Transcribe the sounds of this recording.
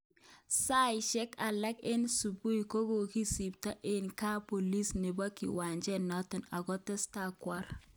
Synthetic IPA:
sa˦jɪʃɛ˦ka˨lɛ˦ke˦nsu˨bu˦jko˦ɡo˨ki˦si˨p̚ta˦ʔe˦nka˦po˨li˦sne˨ba˦kḭ˨wa˨ɲd͡ʒɛ˦nɔ˦tɪ˨na˨ɡɔ˦tɛ˦sta˦˨kwa˦ɾ

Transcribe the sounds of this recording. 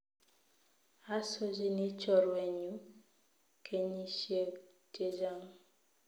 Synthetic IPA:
a˦so˦d͡ʒi˦ni˦t͡ʃɔ˦˨ɾwe˨ɲu˦ | kʰe˦ɲi˦ʃe˦ | te˦d͡ʒa˦ŋ

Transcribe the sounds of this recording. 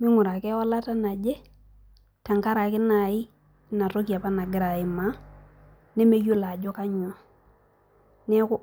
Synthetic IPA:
mɪ˦ŋʊ˨ɾa˨kɛ˦ɔ˦la˦ta˦na˨d͡ʒe˦ | ka˨ŋka˦ɾa˨kɪ˦na˨ɪ˦ | na˨ɾo˦k̬i˨a˨pa˦na˨ɡɪ˦ɾa˨ɪ˨ma˨˦ | nɛ˦me˦ju˦la˨d͡ʒɔ˦ka˦ɲɔ˨ | nɛ˦kʊ˦

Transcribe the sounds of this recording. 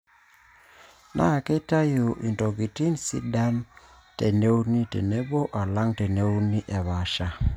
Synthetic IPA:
nʔa˦˨ke˦ta˦jo˨ʔi˨ntɔ˨ɡi˨ti˦nsḭ˦da˦m | te˨ne˦wni˦tḛ˨ne˦bo˦ʔa˨la˦ŋte˨ne˦wni˦ʔɛ˨βa˨ʃa˦

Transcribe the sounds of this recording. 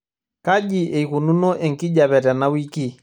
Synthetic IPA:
ka˦ʄi˨ʔɛ˨i˨ku˨nu˦nɔ˦ʔɛ˨ŋki˦ʄa˨βɛ˨ɾa˨na˦wi˦ki˦˨

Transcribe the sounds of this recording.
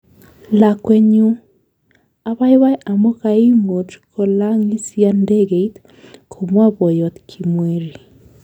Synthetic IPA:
la˨kwe˦ɲu˦ | a˦βa˦jwa˦jʔa˨mo˦ka˨i˦ŋo˨tkʰɔ˨la˦ŋi˦sja˦nde˦ɡe˨i˦t̪ | kʰo˨mwa˦bɔ˨jɔ˨t̪kʰi˨mwe˦ɾi˨

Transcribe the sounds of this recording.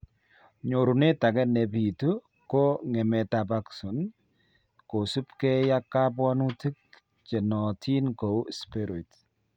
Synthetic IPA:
ɲo˨ɾu˨ne˦ta˨kɛ˦nɛ˨pi˨tu˦ | ko˦ŋɛ˨mɛ˨ta˨pa˦ksu˨n | ko˨su˦pkɛ˦ja˦kːa˦p̬wɔ˦nu˦ti˦k̚ | t͡ʃɛ˨nɔ˨tʰi˦nko˨˦spe˦ɾɔ˨t

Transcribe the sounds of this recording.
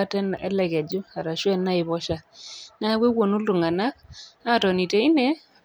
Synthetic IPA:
a˦tɛ˦nɛ̰˦lɛ˨ɣɛ˨d͡ʒʊ˦a˨ɾa˨ʃwɛ˦na˦ɪ˨βɔ˦ʃa˦˨na˦wʷe˦wo˨no˦lu˨ŋa˨na˦k̚a˦˨tɔ˨ni˨te˨ɪ˦ne˦

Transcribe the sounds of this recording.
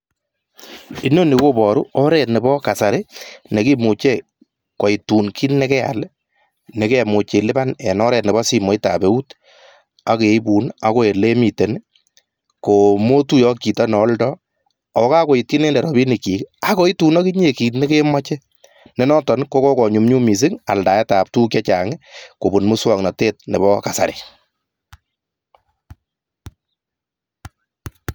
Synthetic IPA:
i˨˦no˦ni˨ko˦bɔ˨ɾu˦ɔ˦ɾɛ˦˨tnɪ˨bɔ˦ka˨sa˨ɾe˦ne˨ki˦mu˨t͡ʃe˦ | kɔ˨i˨tu˨nki˦nnːɛ˦kɛ˦a̰˨l | ne˨ke˦˨mu˨t͡ʃe˨lɪ˦ba˦nɛ˨nɔ˦ɾɛ˨tnɛ˨bɔ˦si˦mɔ˨˦i˦ta̰˨be˨u˦t | a˦ke˨i˦bu˨na˦ko˦˨e˨le˦mi˨te˨n˦ | ko˨mo˦tu˦jɔ˨˦ki˨tɔ˦n˨ɔ˦ldɔ˦ | ɔ˨ka˦ko˨i˨t̚ki˦ne˦ndɛ˨ɾɔ˨bi˦ni˨ki˨ka˨ko˦i˦tu˨˦nɔ˦ki˦ɲe˨ki˨tne˦ke˦ma˦t͡ʃɛ˦ | nɛ˦nɔ˦tɔ˨nko˦kɔ˦kɔ˨ɲu˨mɲu˦mi˨s̬i˦ŋa̰˨lda˨jɛ˦taː˨p̚tu˦kjɛ˦t͡ʃa˨ŋɪko˨bu˨nmu˦swɔ˨ŋnɔ˨teː˦t̚ne˨bɔ˦ka˨sa̰˨ɾḛ˨

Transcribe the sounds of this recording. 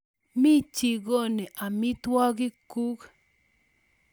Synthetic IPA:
mi˦t͡ʃi˨ɡo˦ne˨ʔa˨mɪ˦t̪wɔ˦ɡɪ˦ku˦k

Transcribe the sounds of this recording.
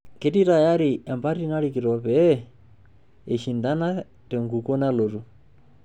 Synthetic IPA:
ke˦di˦ta˨ja˦ɾiʔɛ˨mba˦ɾi˦na˦ɺiki˨ɾɔ˨pɛ | e˨ʃinda˦na˦ | tɛ˨ŋɡu˨kɔ˦nalo˨ɾu˨

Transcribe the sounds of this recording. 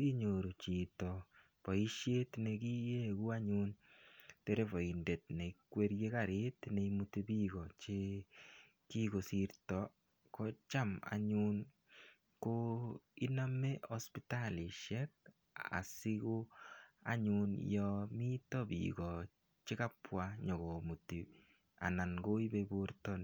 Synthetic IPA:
i˦ɲo˨ɾu˨t͡ʃi˨tɔ˨ | pɔ˨i˦ʃje˦t̪ne˧ki˦je˦ku˦a˦ɲunte˦ɾe˦pɔ˨i˨nde˨t̚ne˨ikwe˦ɾje˦kaɾe˦tne˨imu˦te˧bi˦ɡɔ˨t͡ʃe˦ | ki˦ɡo˨siɾtɔ | kɔ˦t͡ʃa˦ma̰˨ɲun | koi˦na˦meospitali˨ʃɛk̚ | a̰˨siko˦a̰˦ɲunjɔmi˦tɔ˦bḭɡɔ | t͡ʃi˦ka˦pwaɲɔ˨ɡɔ˨mu˨ti˨ | a̰˨na˨ŋɡo˦ibebuɾtɔ˦n

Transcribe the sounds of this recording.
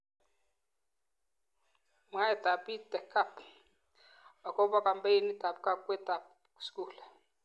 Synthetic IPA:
m˨a˦ɛ˨t̪a˨pi˦tɛ˨kʰːa˦˨p | a˨kɔ˦ba˦ka˨mbe˦i˦ni˦ta˨p̚ka˦kwɛ˦t̪a˨p̚ | ku̥si̥˦kuː˨la˨

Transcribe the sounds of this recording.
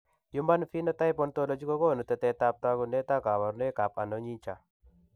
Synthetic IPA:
ju˦ma˦nfi˦nɔ˦ta˦jpɔ˦nto˦lɔ˨d͡ʒi˦kɔ˦kɔ˦˨nu˨tɛ˨tɛ˨ta˦p̚ta˦ku˨nɛ˦ta˦ka˨wa˨ɾnɛ˦ka˨pa˨nɔ˨˦ɲi˦ɲt͡ʃa˨

